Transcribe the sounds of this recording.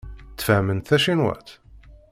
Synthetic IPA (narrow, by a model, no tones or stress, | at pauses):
t͡s̪ːfæmənθæʃinwæ̰t̪